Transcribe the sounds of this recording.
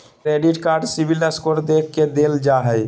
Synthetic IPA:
kɾeɖiʈkaːɾɖsibiləskoɾd̪ek̚ʰked̪eld͡ʒaɦɛ

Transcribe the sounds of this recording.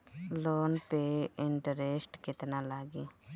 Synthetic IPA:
loːnpeːɪɳʈəɾeːsʈkɪt̪naːlaːɡiː

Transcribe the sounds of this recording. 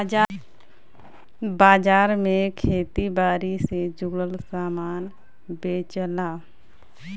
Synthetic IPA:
baːd͡ʒaːɾmẽkʰeːt̪ibaːɾised͡ʒʊɽəlsaːmaːn | beːt͡ʃlaː

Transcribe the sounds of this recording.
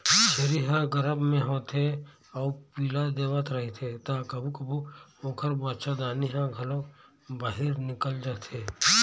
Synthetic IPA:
ʃeɾiɦaɡəɾəbmẽɦõːt̪ʰe | ɔːpiːlad̪eːʋət̪ɾɐɦit̪ʰet̪aːkɐbʱukɐbuoːkʰəɾbat͡ʃad̪aːniɦãɡʱɐlõ | baːɦiɾnɪkəld͡ʒaːt̪ʰeː

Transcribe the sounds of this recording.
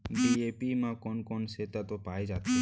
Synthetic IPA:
biepimãkonkɔnʃet̪at̪opaed͡ʒat̪ːe

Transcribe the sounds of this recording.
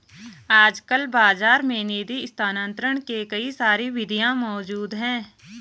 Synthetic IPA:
aːd͡ʒkəlbaːzaːɾmẽniːd̪iɪst̪aːnə̃nt̪ɾəɽ̃kekɐisaːɾiʋɪd̪ʱijãmɔːd͡ʒuːd̪ɦɛ̃ː

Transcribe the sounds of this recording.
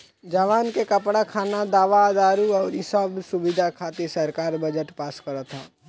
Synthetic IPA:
d͡ʒaːʋaːnkekɐpɽakʰaːnad̪aːʋad̪aːɾuɔːɾɪsaːbsʊbɪd̪ʱakʰaːt̪isəɾkaːɾbəd͡ʒəʈpaːskəɾət̪ʰa̰ː

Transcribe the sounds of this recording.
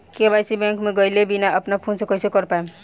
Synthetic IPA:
kebajsibẽŋkmeɡʌjlebinaəpnapʰonsekʌjsekʌɾpaem

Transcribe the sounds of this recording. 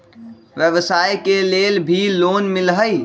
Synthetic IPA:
ʋjəʋsaːjkeleːlbʱiloːnmɪlɦəi

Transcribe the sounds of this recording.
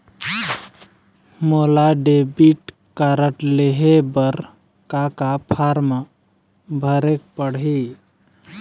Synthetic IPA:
molaɖebiʈ | kaɾəʈleɦebəɾ | kakapʰaɾma | bʱəɾek̚pəɽɦi

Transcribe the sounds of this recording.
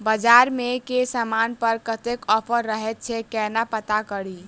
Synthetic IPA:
bəd͡ʒaɾmekesəmanpəɾkət̪ekɔpʰəɾːəɦɛt̪̚t͡ʃʰɛkɛnapət̪akəɾi

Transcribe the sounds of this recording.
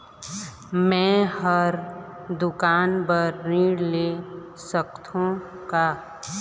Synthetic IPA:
mɛ̃həɾd̪ʊkaːnbəɾniːɽle | səkt̪ʰõ | ka

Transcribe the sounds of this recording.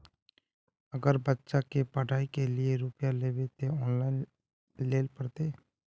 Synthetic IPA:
əɡəɾbətːʃakepəɽaːikelɪeɾʊpjaleːʋet̪eɔːnlaːin | leːlpəɽt̪eː

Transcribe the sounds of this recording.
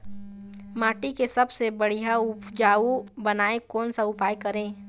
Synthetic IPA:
maːʈikesɐbsebɐɽ̤ijaʊpd͡ʒaːubɐnaːẽkɔːnsaʊpaːjkɐɾẽː

